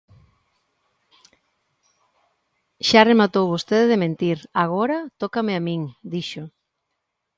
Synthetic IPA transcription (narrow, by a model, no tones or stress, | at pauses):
ʃaremat̪owβost̪eðeðemẽnt̪iɾaɣoɾɐt̪okameamiŋd̪iʃʊ